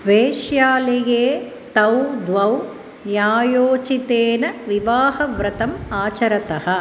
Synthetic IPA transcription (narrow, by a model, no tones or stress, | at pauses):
ʋeːʃjaːleɡeː | t̪ɐwd̪ʋɐw | njaːjoːt͡ʃit̪eːnɐʋiʋaːɦɐʋɾɐt̪ɐmaːt͡ʃɐɾɐt̪ɐɦɐ̆